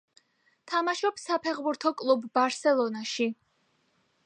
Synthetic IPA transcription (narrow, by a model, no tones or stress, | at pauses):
t̪ʰamaʃɔpsapʰɛχbuɾt̪ʰɔkʼlˠubːaɾsɛlˠɔnaʃi